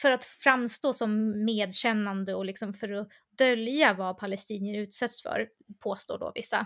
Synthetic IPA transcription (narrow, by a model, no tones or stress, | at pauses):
fœɾat̪fɾamst̪oːsɔmːeːd̪ɕɛnːand̪əɔlɪksɔmfœɾɔ | d̪œljavapʰalɛst̪iːnɪənʉ̟ːt̪sɛt̪sfœ̰ɾ | pʰoːst̪o̰ːɖɔ̰vɪsːa̰